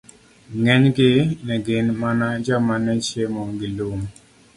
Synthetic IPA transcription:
ŋɛɲɡɪnɛɡɪnmanad͡ʒamanɛt͡ʃjemɔɡɪlom

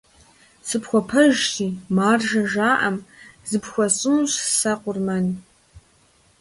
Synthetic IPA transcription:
sɨpxʷɔpʰɐʒtiːmaːrʒɐʒaːʔɐmzɨpxʷɔɕʼɨmɕsaqʷʊrmɐn

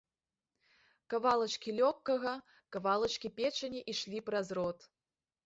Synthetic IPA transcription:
kɐvalˠɐt͡ʂkʲilʲɔkːɐɣɐ | kɐvalˠɐt͡ʃkʲipʲet͡ʂɐnʲiʔiʂlʲiprɐzrɔt̪

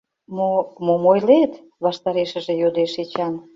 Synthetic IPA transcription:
momomojlet̪ | βɑʃt̪ɑɾeʃə̆ʒĕjod̪eʃet͡ɕɑn

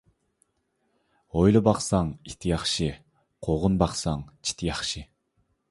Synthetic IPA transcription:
ojlˠɨbɑqsɑŋit̪ʰɪjɑχʃi | qʰoʁʊnbɑqsɑŋt͡ʃʰi̥t̪ʰɪjɑχʃi

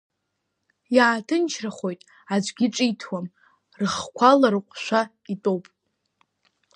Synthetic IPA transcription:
jaːtʰɨnt͡ʃʰraχo̞jtʼ | ad͡ʒʷʼɡʲɪʈ͡ʂʼitʰwam | rɨχkʷʰalaɾɨqʷʰʼʃʷa | itʼo̞wpʼ

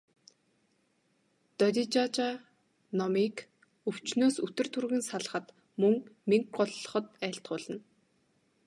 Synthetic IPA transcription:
t̪ɔt̪ʲit͡ɕat͡ɕa | nɔmik | ɵw̥t͡ɕnoːsɵt̪ɵ̆r̥t̪ʰurɣɘ̆nsaɮ̆χə̆t̪ | mɵŋmiŋkɢɔɮːɞ̆χɞ̆t̪æːɬt̪ɢʊːɮə̆n

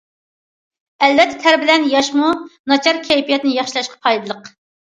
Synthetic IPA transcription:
ɛlvɛt̪ʰːɛ̥t̪ʰæɾbɪlɛnjɑʃmunɑt͡ʃʰɑɾkʲʰɛjpijɛt̪ɪnɪjɑχʃilˠɑʃqʰɑ̥pʰɑjd̪ɨlˠəq

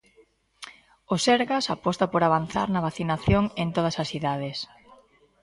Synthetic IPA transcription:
osɛɾɣasapɔst̪apoɾaβan̟θa̰ɾnɐβaθinaθjoŋent̪oðɐsɐsθiðaðes

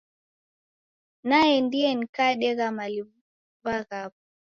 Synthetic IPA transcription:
najɛndiɛnikaːɗɛɣamali | vaɣapa

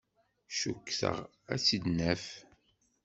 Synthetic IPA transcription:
ʃukːθə̰ʁ | æsid̪næf

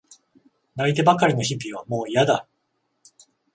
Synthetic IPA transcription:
nait̪e̞bakaɾʲino̞çibʲiβ̞a̰mo̞ːijad̪a

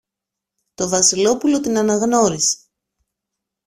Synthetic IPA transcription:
t̪o̞vɐsilo̞pulo̞t̪inɐnɐɣno̞ɾise̥

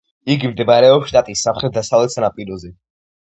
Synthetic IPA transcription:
iɡimd̪ɛbaɾɛɔpsʃt̪ʼat̪ʼisːamχɾɛt̪̚d̪asavlɛt̪sanapʼiɾɔzɛ

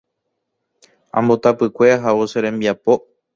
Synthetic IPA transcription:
ã̰mbot̪apɨkʷe̞aɦaoseɾẽmbiapo̞

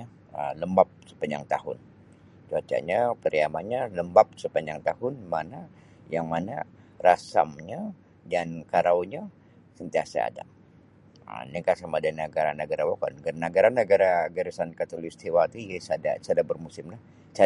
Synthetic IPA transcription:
a | ələmbap̚sə̥paɲd͡ʒa̰ŋt̪ahʊ̰n | t͡ʃuat͡ʃa̰ʔɲapəɾiamanɲaləmbap̚səpaɲd͡ʒaŋt̪ahʊnmana | jaŋmanarasa̰mɲa | dankaɾawɲa | sənt̪iasa̰a̰da̰ | nikasamadanaɡaɾanəɡaɾawakanɡanaɡaɾanəɡaɾaɡaɾisankat̪olist̪ʰiwat̪uɛsada̰sadabərmusɪmlah | t͡ʃa

